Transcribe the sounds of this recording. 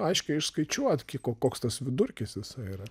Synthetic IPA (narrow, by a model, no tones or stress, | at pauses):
ɐɪʃkʲɪɪʃskɐɪt͡ʃʲuɔt̪kʲikoːkoːkst̪ɐsʋʲɪd̪ʊrʲkʲɪsjʲɪsɐɪiɾɐ